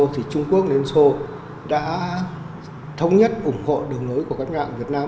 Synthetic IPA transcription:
o˧t̪ʰi˨˩t͡ɕʊ˧ŋ͡mku˦˥ək̚nle˧nso˧ | ɗa̰ː˧˥ | t̪ʰə˧wŋ͡mɲə˦˥t̚ʔʊ˧˩ŋ͡mho̰˧˨ɗɨ˨˩əŋlo˨˦jku˧˩əkaː˦˥k̚ma̰ː˧˨ŋvi˨˩ət̚naː˧m

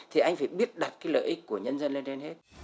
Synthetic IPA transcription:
t̪ʰi˨˩ʔa˧jŋ̟faː˧˩jɓi˦˥ət̚ɗa˨˩t̚kaː˨˦jlə̰ː˧˨jʔi˦˥k̟̚ku˧˩əɲə˧nzə˧nle˧nɗɛ˧nhe˦˥t̚

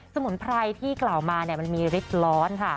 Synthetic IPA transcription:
so˧mu˩˦npʰɾa˧jt̪ʰiː˥˩kla˨˩wmaː˧ni˥˩ɐma˧nmiː˧ɾi˦˥p̪̚lɔː˦˥nkʰa˥˩

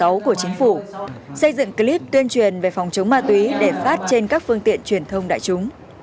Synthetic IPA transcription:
a˨˦wku˧˩ət͡ɕï˨˦ŋ̟fu˧˩sə˧jzɨ̰˧˨ŋkli˦˥p̚t̪wi˧ənt͡ɕwi˨˩ənve˨˩fɔ˨˩wŋ͡mt͡ɕə˨˦wŋ͡mmaː˧t̪wi˨˦ɗe˧˩faː˦˥t̚t͡ɕe˧nkaː˦˥k̚fɨ˧əŋt̪ḭ˧˨ənt͡ɕwi˨˩ənt̪ʰə˧wŋ͡mɗa̰ː˧˨jt͡ɕʊ˨˦ŋ͡m

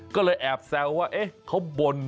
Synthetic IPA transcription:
kɔː˥˩lɤː˧jʔɛː˨˩p̚sɛː˧wwaː˥˩ʔe˦˥kʰa˨˥wbo˧n

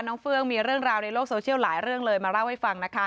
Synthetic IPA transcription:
nːɔː˦˥ŋfɯ˥˩əŋmiː˧ɾɯ˥˩əŋɾaː˧wna˧jloː˥˩k̚soː˧t͡ɕʰi˥˩əwlaː˩˦jɾɯ˥˩əŋlɤː˧jmaː˧ɾa˥˩wha˥˩fa˧ŋna˦˥kʰa˦˥

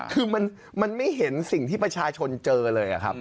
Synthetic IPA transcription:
kʰɯː˧ma˧n | ma˧nma˥˩jɦe˩˦nsi˨˩ŋt̪ʰiː˥˩pɾa˧t͡ɕʰaː˧t͡ɕʰo˧nt͡ɕɤː˧lɤː˧jʔa̰˨˩kʰa˦˥p̚

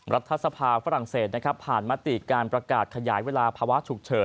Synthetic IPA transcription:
ɾʔa˦˥t̪ʰːa˦˧sa˧pʰaː˧fa˦˥ɾa˨˩ŋseː˨˩t̪̚na˦˥kʰɾa˦˥pʰːaː˨˩nma˦˥t̪i˨˩kaː˧npɾa˧kaː˨˩t̪̚kʰa˧jaː˩˦jweː˧laː˧pʰaː˧wa˦˥ʔt͡ɕʰu˨˩k̚t͡ɕʰɤː˩˦n

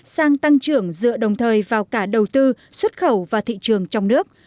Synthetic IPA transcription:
saː˧ŋt̪a˧ŋt͡ɕɨ˧˩əŋzɨ̰˧˨əɗə˨˩wŋ͡mt̪ʰəː˨˩jvaː˨˩wkaː˧˩ɗə˨˩wt̪ɨ˧ | swə˦˥t̚xə˧˩wvaː˨˩t̪ʰḭ˧˨t͡ɕɨ˨˩əŋt͡ɕɔ˧wŋ͡mnɨ˦˥ək̚

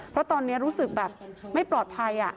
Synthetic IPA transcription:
pʰɾɔ˦˥t̪ɔː˧nːi˦˥ɐɾuː˦˥sɯ˨˩k̚bɛː˨˩p̚ma˥˩jplɔː˨˩t̪̚pʰaː˧jʔa̰˨˩ʔ

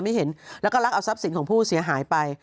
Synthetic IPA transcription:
ma˥˩ɦe˩˦nlɛː˦˥wkɔː˥˩ɾa˦˥k̚ʔa˧wsa˦˥p̚si˨˦nkɔː˨˩˦ŋpʰuː˥˩si˨˩˦ɐɦaː˩˦jpa˧j

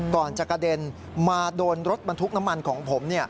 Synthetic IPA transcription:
kɔː˨˩nt͡ɕa˨˩ka˧de˧n | maː˧doː˧nɾo˦˥t̪̚ba˧nt̪ʰu˦˥k̚na˦˥mːa˧nkʰɔː˩˦ŋpʰo˩˦mni˥˩ɐ

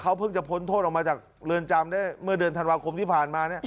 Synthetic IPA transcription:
kʰa˦˥wpʰɯ˥˩ŋt͡ɕa˨˩pʰo˦˥nt̪ʰoː˥˩t̪ʔɔ˨˩mː˧t͡ɕaː˨˩k̚ɾɯː˧nt͡ɕa˧mdaː˥˩jmɯ˥˩ɐdɯ˧ənt̪ʰa˧nwaː˧kʰo˧mt̪ʰiː˥˩pʰaː˨˩nmaː˧ni˥˩ɐ

